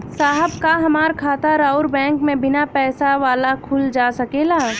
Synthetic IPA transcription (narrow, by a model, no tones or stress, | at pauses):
saːɦəbkaɦɐmaːɾkʰaːt̪aɾaːʊɾbɛ̃ːŋkmẽbɪnapɛːsaʋaːlakʰʊld͡ʒaːsɐkeːlaː